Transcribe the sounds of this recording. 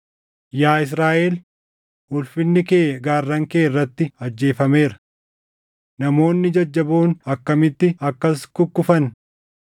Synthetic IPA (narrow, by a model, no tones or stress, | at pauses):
jaːɪs̬ɾaːʔeːl | ʊlfɪnːɪkeːɡaːrːɐŋkeːɪrːɐt̪ːɪɐd͡ʒːe̞ːfɐme̞ːɾɐ̥ | nɐmo̞ːnːɪd͡ʒɐd͡ʒːɐboːnɐkːɐmɪt̪ːɪɐkːɐskʊkːʊfɐn